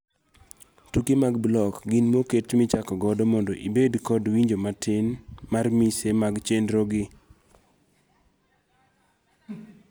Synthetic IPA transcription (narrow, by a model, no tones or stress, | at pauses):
tukimaɡblɔkɡinmoketmɪt͡ʃakɔɡɔdɔmɔndɔʔibedkɔdwiɲd͡ʒomatʰɪnmarmisemaɡt͡ʃendɾoɡɪ